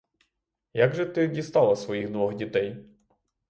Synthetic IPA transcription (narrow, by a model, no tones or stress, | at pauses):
jaɡʒɛt̪ɪdʲist̪ɑlˠɐsʋɔjiɣd̪ʋɔɣdʲit̪ɛj